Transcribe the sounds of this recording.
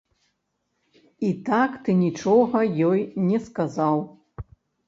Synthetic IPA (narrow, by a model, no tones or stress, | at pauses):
it̪akt̪ɨnʲit͡ʂɔɣɐjɔjnʲɛskazaw